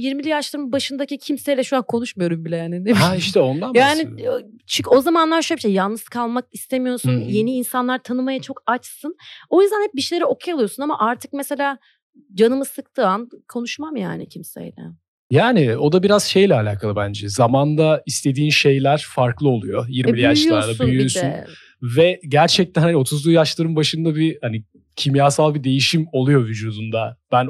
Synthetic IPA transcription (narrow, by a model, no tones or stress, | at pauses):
jiɾmilʲijaʃlˠaɾɯmbaʃɯnd̪acicʰimsejlʲɛʃuɾankʰo̞nuʃmajo̞ɾumbilʲɛjaːninemaiʃt̪ɛo̞nd̪anjaːnit͡ʃʰyo̞zamanlˠaɾʃobiʃʲɛjalˠnɯskʰalˠmak̚ist̪ʰemijo̞ɾsunje̞niːnsanlˠaɾt̪ʰanɯmajat͡ʃʰo̞kat͡ʃsɯno̞jyzd̪ænhɛp̚biʃelʲeɾio̞kʰajalˠɯjo̞sunama̰ʔaɾt̪ʰɯk̚mese̞lʲaː | d͡ʒanɯmɯsɯk̚t̪ʰɯankʰo̞nuʃmamja̰ːnḭcʰimsḛjlʲɛ̰ | jaːnɪo̞d̪abiɾaz̥ʃe̞jlʲɛalʲaːkʰalˠɯbænd͡ʒɛzamand̪aist̪ʰe̞d̪iːnʃe̞jlʲæɾ̥faɾklˠɯo̞lˠujo̞jiɾmilʲijaʃlˠaɾlˠabøjyosyn | vɛɟæɾt͡ʃʰɛc̚t̪ænhanio̞t̪ʰuzlˠujaʃlˠaɾɯmbaʃɯnd̪abihani | cʰimjaːsalˠbid̪e̞jiʃimo̞lˠujo̞vyd͡ʒuːd̪und̪ab̥æn